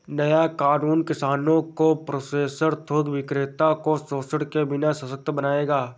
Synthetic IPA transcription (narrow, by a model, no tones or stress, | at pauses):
nəjakaːnuːnkɪsaːnõkopɾoːseːsəɾt̪ʰoːɡʋɪkɾeːt̪akosoːsəɽkebɪnasɐsək̚t̪bənaːeːɡaː